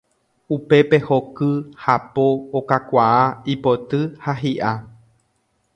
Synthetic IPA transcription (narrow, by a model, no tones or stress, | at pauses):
upe̞pe̞ho̞kɨhapoːkakʷaaipo̞t̪ɨhaɦiʔa